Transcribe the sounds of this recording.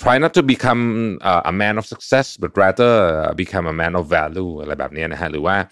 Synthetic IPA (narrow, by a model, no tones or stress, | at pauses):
tʰɹ̥ajnɔtːubikʰãməʔə̰mɛ̃nɔfsəksɛsbat̚ɹadəʌ̰bikʰãməmɛ̃nɔfːɛljuəlaj̚ba̰p̚niənaɦaluwa